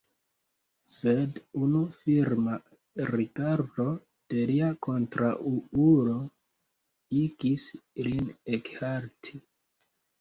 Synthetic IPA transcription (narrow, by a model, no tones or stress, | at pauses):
sedunufiɾma | ɾikaɾdo̞ | d̥e̞liako̞ntɾaʔuuɾo̞ | iɡislinekhaɾtʰi